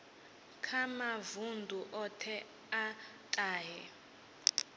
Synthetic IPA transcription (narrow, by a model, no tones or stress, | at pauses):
kʰamavundʱuʔɔtʰɛ | a | tʼaːɦɛ